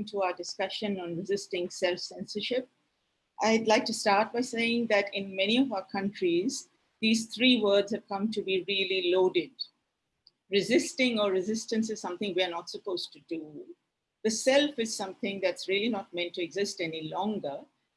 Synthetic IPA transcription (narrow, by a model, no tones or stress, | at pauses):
ŋtuaʊəɖɪskʌʃə̃nɔ̃nɹɪzɪstɪ̃ŋsɛlfsɛ̃nsəʃɪp̚ | ʔaɪdlaɪk̚ʈustaːɾʈ̚baɪseɪɪ̃ŋd̪æʈɪ̃nmɛñiɔvaʊəkʰʌ̃nʈɾiz | d̪iːz̥t̪ʰɾiːwəːdz̥hɛv̥kʌ̃mʈubiɾililoʊɖɪɖ | ɾɪzɪstɪ̃ŋəɾɪzɪstə̃nsɨz̥sʌ̃mt̪ɪ̃ŋʋiənɔtsəpoʊzʈudu | ð̥əsɛlfɪz̥sʌ̃mθɪ̃ŋd̪ætsɾiəlinɔʈ̚mɛ̃ntːuɛɡzɪstɛnilɔ̃ŋɡə